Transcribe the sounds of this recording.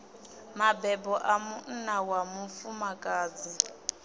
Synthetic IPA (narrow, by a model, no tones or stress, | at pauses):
mabɛbɔʔamun̩nawamufumakʼaːd͡zi